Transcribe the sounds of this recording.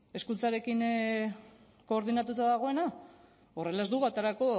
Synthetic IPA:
e̞skunt͡saɾe̞kin | ko̞ːɾðinat̪ut̪aðaɣ̞o̞e̞na | o̞re̞laezd̪uɣuat̪aɾako̞

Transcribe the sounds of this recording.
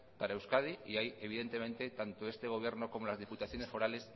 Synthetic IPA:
paɾaewskað̞iiaje̞βiðe̞nt̪e̞mẽ̞nt̪et̪ant̪o̞e̞st̪e̞ɣ̞o̞β̞je̞ɾno̞ko̞mo̞lazð̞iput̪aθjo̞ne̞sfo̞ɾale̞s

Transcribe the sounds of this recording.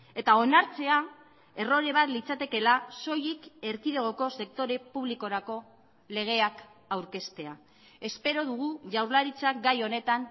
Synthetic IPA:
e̞t̪ao̞naɾt͡se̞a | e̞ro̞ɾe̞β̞at̪lit͡sat̪e̞ke̞laso̞jike̞ɾkiðeɣ̞o̞ko̞se̞k̚t̪o̞ɾe̞puβliko̞ɾako̞ | le̞ɣ̞e̞akawɾke̞st̪e̞a | e̞spe̞ɾo̞ð̞uɣ̞uʝawɾlaɾit͡sak̚ɡajo̞ne̞t̪an

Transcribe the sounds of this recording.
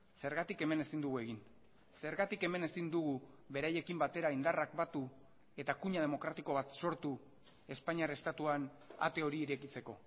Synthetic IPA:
se̞ɾɣat̪ike̞me̞nesind̪uɣue̞ɣin | se̞ɾɣat̪ike̞me̞ne̞sind̪uɣu | βe̞ɾaje̞kimbat̪e̞ɾaind̪arak̚bat̪u | e̞t̪akuɲað̞e̞mo̞kɾat̪iko̞βat̪so̞ɾt̪u | e̞spaɲiare̞st̪at̪uan | a̰t̪e̞o̞ɾiːɾe̞kit͡se̞ko̞

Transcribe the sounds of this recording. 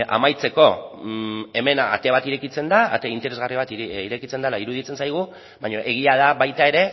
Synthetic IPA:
a̰majt͡se̞ko̞ | e̞me̞naa̰t̪eβat̪iɾe̞kit͡se̞nd̪a̰ːt̪eint̪eezɣariβ̞at̪iɾe̞kit͡se̞nd̪alaiɾuðit͡se̞nsajɣ̞u | βaɲo̞ʔe̞ɣ̞iað̞aβajt̪ae̞ɾe̞

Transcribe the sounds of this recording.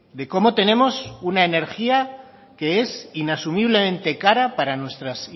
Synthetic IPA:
d̪e̞ko̞mo̞t̪e̞nẽ̞mo̞sunaene̞ɾxia | ke̞e̞sinasumiβle̞mẽ̞nt̪e̞kaɾapaɾanwe̞st̪ɾas

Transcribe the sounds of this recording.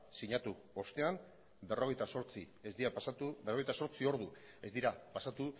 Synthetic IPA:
siɲat̪u | o̞st̪e̞am | be̞ro̞ɣe̞jt̪aso̞ɾt͡si | e̞zd̪iɾapasat̪ubroejt̪aso̞ɾt͡sio̞ɾðu | e̞zd̪iɾapasat̪u

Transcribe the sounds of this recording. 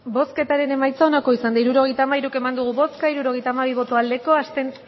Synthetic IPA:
bo̞ske̞t̪aɾe̞ne̞majt͡sao̞nako̞isand̪aiɾuɾo̞ɣ̞ejt̪aːmaiɾuke̞mand̪uɣ̞uβo̞skaiɾuɾo̞ɣjt̪aːmaβ̞iβ̞o̞t̪oald̪e̞ko̞ast̪e̞n

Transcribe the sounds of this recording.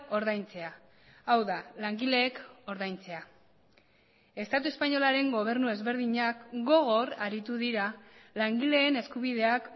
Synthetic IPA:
o̞ɾðajnt͡se̞a | awðalaŋɡile̞ːko̞ɾðajnt͡se̞a | e̞st̪at̪ue̞spaɲo̞laɾe̞ŋɡo̞β̞e̞ɾnue̞zβe̞ɾðiɲakɡo̞ɣ̞o̞raɾit̪uðiɾalaŋɡile̞ːne̞skuβiðe̞ak

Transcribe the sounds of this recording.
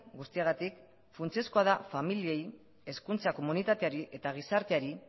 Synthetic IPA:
ɡust̪iaɣ̞at̪ik | funt͡sie̞sko̞að̞afamilie̞j | e̞skunt͡sako̞munit̪at̪eaɾiʔe̞t̪aɣ̞isaɾt̪e̞aɾi

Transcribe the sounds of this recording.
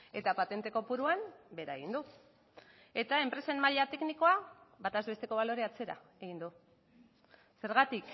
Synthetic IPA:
e̞t̪apat̪e̞nt̪e̞ko̞puɾuambe̞ɾaeɣ̞ind̪u | e̞t̪aempɾe̞se̞mmaʎat̪e̞kniko̞aβat̪azβet̪e̞ko̞β̞alo̞ɾe̞at͡se̞ɾa̰ | e̞ɣind̪u | se̞ɾɣat̪ik

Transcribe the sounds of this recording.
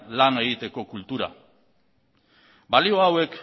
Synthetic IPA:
lane̞ɣit̪e̞ko̞kult̪uɾa̰ | balio̞awe̞k

